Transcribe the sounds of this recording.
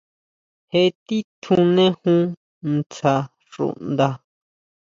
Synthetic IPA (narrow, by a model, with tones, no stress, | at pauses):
he˧t̪i˦t̪ʰũ˧nẽ˦hũ˦ | n˧t͡sa˧ | ʐṵ˨ʔnd̪a˧